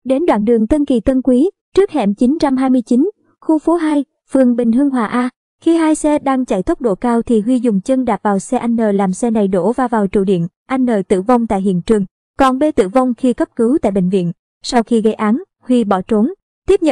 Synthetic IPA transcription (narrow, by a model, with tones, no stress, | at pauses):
ɗe˨˦nɗwa̰ː˧˨nɗɨ˨˩əŋt̪ə˧nki˨˩t̪ə˧nkwi˨˦ | t͡ɕɨ˦˥ək̚hɛ̰˧˩mt͡ɕi˨˦nt͡ɕa˧mɦaː˧jmɨ˧əjt͡ɕi˨˦n | xu˧fo˨˦ɦaː˧j | fɨ˨˩əŋɓï˨˩ŋ̟ɦɨ˧əŋɦwaː˨˩ʔaː˧ | xi˧ɦaː˧jsɛ˧ɗaː˧ŋt͡ɕa˧˩jt̪ə˦˥k͡p̚ɗo̰˧˩kaː˧wt̪ʰi˨˩ɦwi˧zʊ˨˩ŋ͡mt͡ɕə˧ŋɗaː˨˩p̚vaː˨˩wsɛ˧ʔa˧jŋ̟nəː˨˩laː˨˩msɛ˧na˨˩jɗo̰˧˩vaː˧vaː˨˩wt͡ɕṵ˧˩ɗḭ˧˨ən | ʔa˧jŋ̟nəː˨˩t̪ɨ̰˧˨va˧wŋ͡mt̪a̰ː˧˨jɦḭ˧˨ənt͡ɕɨ˨˩əŋ | kɔ˨˩nɓe˧t̪ɨ̰˧˨va˧wŋ͡mxi˧kə˦˥p̚kɨ˨˦wt̪a̰ː˧˨jɓḛ̈˧˨ŋ̟vḭ˧˨ən | sa˧wxi˧ɣə˧jʔaː˨˦n | hwi˧ɓɔ˧˩t͡ɕo˨˦n | t̪i˦˥əp̚ɲə̰˧˨n